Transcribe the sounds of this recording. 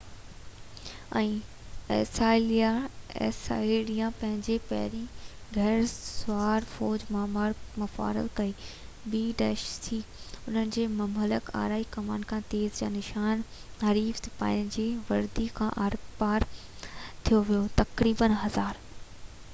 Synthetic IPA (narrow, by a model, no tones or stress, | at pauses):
ɛ̃ː | ɛ̰ːsaːliaɛ̰sa̰ːiliːãpɐ̃ɦɪ̃ɲd͡ʑepɐɦɾĩ | ɡʱɐːɾsʊaːɾfɔːd͡ʑmãmaɾmɐfa̰ːɾə̰lkɐiː | biːɖɛːʃtʰiʊn̤ənɪ̆d͡ʑeːmɐmələka̰ːɾaːikɐmaːnkʰãːt̪eːzd͡ʑa̰ːnɪʃaːnɦɐɾiːft̪ʰpa̰ːɪnd͡ʑeːʋɐɾd̪ikʰã̰ːʔaɾpaːɾ | t̪ʰijoʋijot̪ɐkɾiːbənɦɐzaːɾ